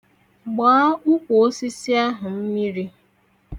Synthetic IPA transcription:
ɡ͡baː˨˦ʊ˦kʷo˨o˦si˦si˦a˦ɦʊ˨m̩˦mi˦ɾi˦

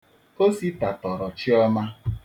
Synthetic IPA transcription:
ko˦si˦ta˨tɔ˨ɾɔ˨t͡ʃi˦ɔ˦ma˦

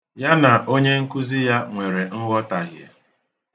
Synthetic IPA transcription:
ja˦na˨ʔo˦ɲe˦ŋ̩˦ku˦zi˦ja˦ŋʷe˨ɾe˨ŋ̩˦ɡɔ˦ta˨ɦjḛ˨

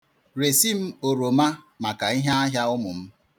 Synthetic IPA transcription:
ɾe˨si˦m̩˦o˨ɾo˨ma˦ | ma˨ka˨i˦ɦa˦a˦ɦja˦ʊ˦mʊ˨m̩˦

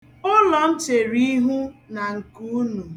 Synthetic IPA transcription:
ʊ˦lɔ˨n̩˦t͡ʃe˨ɾi˦ɦu˦na˨ŋ̩˨ku˦nu˨

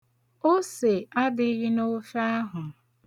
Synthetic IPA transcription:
o˦se˨a˦dɪ˦ɣi˦no˦fa˦a˦ɦʊ˨

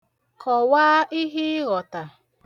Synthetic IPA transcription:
kʰɔ˨waː˦ʔi˦ɦi˦ɣɔ˨ta˨

